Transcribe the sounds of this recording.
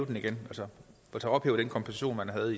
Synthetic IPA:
ʊd̥eniɡ̥enælsə | ɒt͡sʰeɒ̽b̥hḛːʊd̥enkʰɒ̽mpʰosæɕo̝̰ːnmænɦæð̞̩ˠi

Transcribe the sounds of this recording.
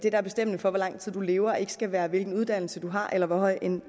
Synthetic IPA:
d̥e̝d̥ɑæɐb̥e̝sd̥em̰neŋfɒ̽ʋɒlɑ̈ŋ̰t͡sʰið̰ˠd̥ule̝ːʊɐɒe̝ɡ̥ə̥sɡ̥æʋæːɐʋe̝lɡ̥n̩uð̞ˠd̥æn̰l̩səd̥uɦɑ̈ʔelɐʋɒɦɒ̽ɪ̰en

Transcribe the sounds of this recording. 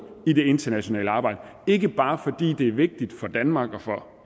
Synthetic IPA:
id̥e̝e̝nd̥ɐnæɕo̝nɛ̰ːləɑ̈ːb̥ɑ̈ɪ̰d̥ə | e̝ɡ̥əb̥ɑ̈ːfɒ̽d̥ḭːd̥e̝æɐʋe̝ɡ̥̚d̥id̥fɒ̽d̥ænmɑ̈ːɡ̥ɒ̽fɒ̽

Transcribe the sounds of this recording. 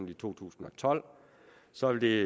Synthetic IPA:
lit͡sʰo̝̰ːt͡sʰṵːsn̩ɒ̽t͡sʰɒ̽l̰ | sɒ̽ʋe̝ld̥e̝

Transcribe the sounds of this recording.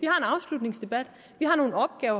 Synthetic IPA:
ʋihɑ̈e̝nɑ̈ʊslud̥ne̝ŋsd̥e̝b̥æd̥ | ʋiɦɑ̈no̝ːn̩ɒ̽b̥̚ɡ̥ɛːʊɐ

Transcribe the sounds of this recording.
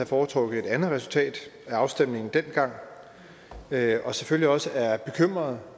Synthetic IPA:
æfɒːt͡sʰʁɔ̽ɡ̥ð̩ˠe̝d̥ænð̩ˠʁɛsul̩t͡sʰɛ̰ːd̥æɑ̈ʊsd̥em̰ne̝ŋn̩d̥enɡ̥ɑ̈ŋ̰ | øɒ̽seføliɒ̽səæɐb̥e̝kʰøm̰ʁɐð̞̩ˠ

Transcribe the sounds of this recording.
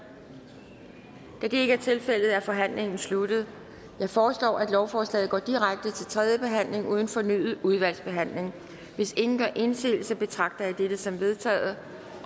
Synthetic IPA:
d̥æd̥e̝e̝ɡ̥əæɐt͡sʰe̝lfel̰ð̞̩ˠæɐfɒ̽ɦæn̰le̝ŋn̩slud̥ð̩ˠ | jɑ̈ɪfɒːslɒ̰ːæd̥lɒʊfɒːslɛ̰ːð̞̩ˠɡɒ̰ːd̥iʁaɡ̥̚d̥ət͡sʰe̝lt͡sʰʁɛð̞ˠjəb̥e̝ɦæn̰le̝ŋʔuːð̞ˠn̩fɒ̽ny̰ðð̩ˠuð̞ˠʋæl̰sb̥e̝ɦæn̰le̝ŋ | ʋe̝se̝ŋn̩ɡ̥ɶɐ̰ʔe̝nse̝̰ːl̩sɐb̥e̝t͡sʰʁɑ̈ɡ̥̚d̥ɐɑd̥ed̥əsɒ̽mʋe̝ð̞ˠt͡sʰɛ̰ːð̩ˠ

